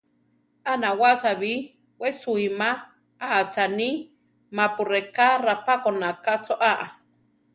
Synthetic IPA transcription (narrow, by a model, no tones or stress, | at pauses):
anawasaβi | wesuima | aʔːt͡sani | mapurekarapakonakat͡soʔaʔa